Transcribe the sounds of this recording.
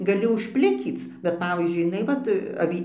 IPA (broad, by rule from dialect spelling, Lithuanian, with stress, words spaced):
ɡɐˈlʲɪ ʊʃʲˈpʲlʲɪkʲiːt͡s bʲɛt ˈpɑːʋʲiːzʲd͡ʒʲʊɪ jɪˈnɐɪ ˈʋɐt ɐˈʋʲiː